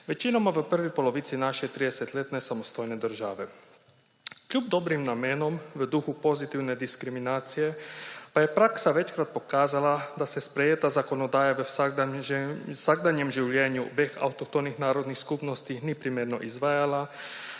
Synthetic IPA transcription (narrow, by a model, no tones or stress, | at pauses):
ʋet͡ʃinomaʋəpr̩ʋipo̞lo̞ʋit̪sinaʃet̪ɾid̪eset̪ʎʲet̪nesamost̪ojned̪r̩ʒaʋe | kʎubd̪o̞bɾimnamenomʋəd̪uxupo̞zit̪iwned̪iskɾiminaːt̪sijepaje̞pɾaksaʋe̞t͡ʃkɾat̪̚po̞kaːzalad̪asespɾejet̪azako̞nod̪aːjeʋ | saɡd̪aɲemʒiʋʎʲeːɲubexa̰wut̪okt̪onixnaːɾod̪nixskupnost̪inipɾimeɾno̰ʔizʋajala